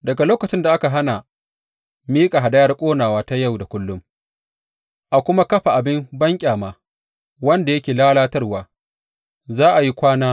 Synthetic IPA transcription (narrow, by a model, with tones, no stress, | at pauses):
dɐ˨ɡa˨loː˦kɐ˨t͡ʃɪ˦nda˨ʔa˦ka˨ɦa˦na˨ | miː˦kʼa˨ɦa˨dɐ˦jɐ˦rkʷʼoː˦naː˨waː˦ta˦ja˦˨wda˨kʷʊ˦lːʊ˦m | ʔa˨kʷʊ˦ma˦kɐ˦ɸa˨ʔa˨bɪ˦mbɐ˦ŋkʲʼaː˨maː˨ | wɐ˦nda˨jɐ˦kʲeː˨laː˦laː˦tɐ˦rwaː˨ | zaː˦ʔa˨ji˦kʷaː˦naː˦